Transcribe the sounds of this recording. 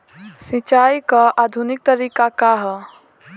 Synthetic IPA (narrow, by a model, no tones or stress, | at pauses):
sĩt͡ʃajkəʔad̪ʱunik̚t̪əɾikakaɦ